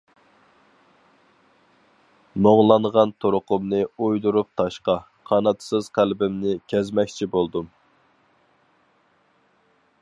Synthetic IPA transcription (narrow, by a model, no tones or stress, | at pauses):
moʁlˠɑɴʁɑnt̪ʰoɾʊqʊmnɨujd̪uɾup̚t̪ʰɑʃqɑ | qʰɑnɑt̪ʰsɨz̥qʰælbɪmnɪkʲʰɛzmɛkʲt͡ʃʰibolˠd̪um